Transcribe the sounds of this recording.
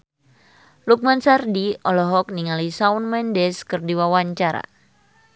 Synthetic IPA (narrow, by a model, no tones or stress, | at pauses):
luk̚mansardiɔlɔɦɔk̚niŋalisaunmɛndɛskɨrdiwawaɲt͡ʃaɾa̰